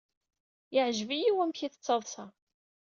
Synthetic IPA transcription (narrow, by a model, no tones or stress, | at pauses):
jɪʕʒvijiwæmçiθə̥t͡sːɑðˤsɑ